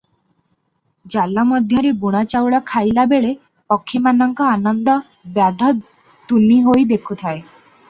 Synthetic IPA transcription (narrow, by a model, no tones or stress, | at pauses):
d͡ʒalːamɔd̪ʱjɔɾebuɽ̃at͡ʃawɽakʰajlabeɭe | pɔkʰːimanɔŋkɔanɔnd̪ɔ | bad̪ʱɔ | t̪uniɦojd̪ekʰut̪ʰae